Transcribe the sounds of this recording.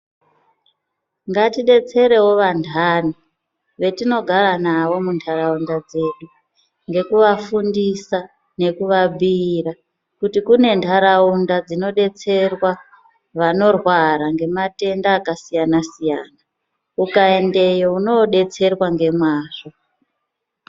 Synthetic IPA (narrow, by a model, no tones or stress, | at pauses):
ŋɡatiɗe̞t͡se̞ɾe̞wo̞ʋandʰaːni | ʋe̞tino̞ɡʱaɾanawo̞muntʰaɾaundad͡ze̞ːɗu | ŋɡe̞kuʋafundisa | ne̞kuʋabʱiːɾa | kutikune̞ntʰaɾaundad͡zino̞ɗe̞t͡se̞rwa | ʋano̞rwaɾaŋɡe̞mate̞ndaːkasijanasijaːna | ukae̞nde̞jouno̞ɗe̞t͡se̞rwaŋɡe̞mwaːʐo